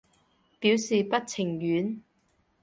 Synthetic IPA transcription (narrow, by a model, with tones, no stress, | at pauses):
piː˨˥wsiː˨pɐ˥t̚t͡sʰɪ˨˩ŋjyː˨˥n